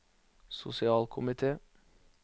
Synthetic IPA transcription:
sʊ̰sɪɑːlkʰʊmɪt̪ʰeː

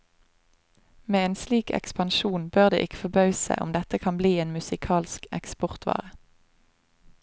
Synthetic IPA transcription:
meːeːnsliːkɛ̰kspɑnʃuːnbøːʁd̪ḛːʔɪkə̥fɔbɑʉsə̰ʔʊ̰md̪ɛt̪əkʰɑnbliːeːnmʉsɪkʰɑːlskɛkspɔʁt̪ʰʋɑ̰ːʁə

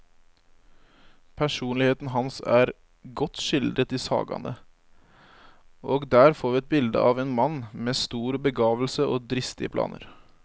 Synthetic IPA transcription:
pʰæʂuːnlɪheːt̪n̩ɦɑnsæ̰ːɾ | ɡɔt̪ʃɪld̪ɾət̪iːsɑ̰ːɡɑ̰nʔə | ʔoːɡd̪æːɾfoːɾʋiːɛt̪̚bɪld̪ə̰ʔɑːʋeːnmɑnːmeːst̪uːɾbəɡɑːʋl̩səoːd̪ɾɪst̪ɪəpʰlɑ̰ːnə̰ɾ

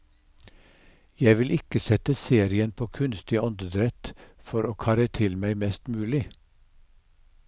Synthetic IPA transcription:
jæɪʋɪlʔɪkəsɛt̪əseːɾɪənpʰoːkʰʉnst̪ɪɔnd̪əd̪ɾɛt̪fɔɾoːkʰɑːɾət̪ʰɪlmæɪmɛst̪mʉːlɪ

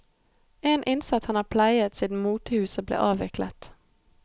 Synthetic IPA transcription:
eːnʔɪnsɑt̪hɑnɑːpʰlæɪət̪siːd̪n̩muːt̪əhʉːsəblḛːʔɑːʋɪklə̰t̪

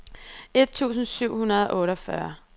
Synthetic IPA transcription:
e̝d̥̚t͡sʰṵːsn̩syʊ̰hunɐðˠɒ̽ʔɔ̽ːɾɒfɶɐ

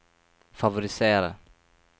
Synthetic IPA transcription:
favʊɾɪseːɾa̰

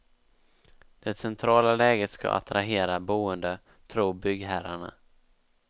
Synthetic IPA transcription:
d̪̥ɛt̪sɛnt̪ʰɾɑːlalɛːɡət̪ska̰ʔa̰t̪ɾaɦeːɾabuːənd̪ə | t̪ʰɾuːbʏɡɦæɾaɳa̰

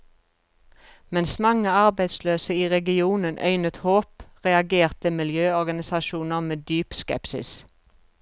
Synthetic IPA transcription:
mɛnsmɑŋəɑʁbæɪd̪sløːsəiːʁɛɡɪuːnənʔœ̰ʏnət̪hoːpʁɛɑɡeːʁt̪əmɪljøːɔʁɡɑnɪsɑʃuːnəʁmeːd̪yːpskɛ̰psɪ̰s

